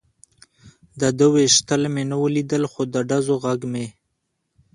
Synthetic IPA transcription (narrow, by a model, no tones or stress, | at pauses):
d̪əd̪əweʃt̪əlmenəwəlid̪əlxod̪əɖazoɣaɡme